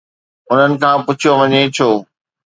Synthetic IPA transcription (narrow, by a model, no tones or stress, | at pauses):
ʊn̤ənɪ̆kʰãːpʊt͡ɕʰijoʋɐɲet͡ɕʰoː